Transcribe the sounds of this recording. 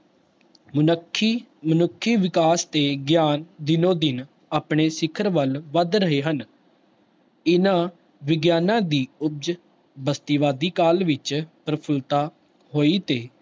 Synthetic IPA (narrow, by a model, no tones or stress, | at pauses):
mənəkʰːiːmənʊkʰːiːʋɪkaːst̪eːɡjaːnd̪ɪnõːd̪ɪn | aːpɳeːsɪkʰəɾʋəlʋəd̪ɾəɦeːɦən | ɪnãː | ʋɪɡjaːnãːd̪iːʊb̚d͡ʒ | bəst̪iːʋaːd̪iːkaːlʋɪt͡ʃpɾəpʰəlt̪aː | hoːiːt̪eː